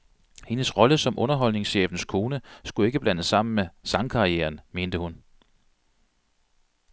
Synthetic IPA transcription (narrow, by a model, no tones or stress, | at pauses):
he̝nəsʁɒ̽ləsɒ̽mʔɔ̽nɐɦɒ̽l̰ne̝ŋsɕḛːfn̩skʰo̝ːnəsɡ̥ue̝ɡ̥əb̥lænəsːɑ̈m̰n̩mesɑ̈ŋkʰɑ̈ieːɐnme̝ːnd̥əhun